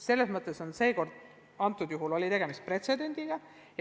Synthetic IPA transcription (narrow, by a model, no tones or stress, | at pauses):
se̞lːesmɤt̪ːˑeso̞nse̞ːko̞rd̪̥ | ɑnt̪ːˑud̪juɦulo̞lʲit̪e̞ɡe̞mist̪̚pre̞t̪se̞d̪e̞nʲd̪̥iɡ̥ɑ | j